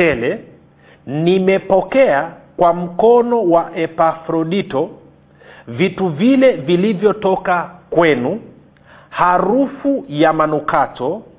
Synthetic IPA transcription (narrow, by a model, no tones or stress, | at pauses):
ɛlɛ | nimɛpɔkɛakwam̩kɔnɔwaʔɛpafɾɔɗitɔ | vituvilɛvilivjɔtɔkakwɛnu | haɾufujamanukatɔ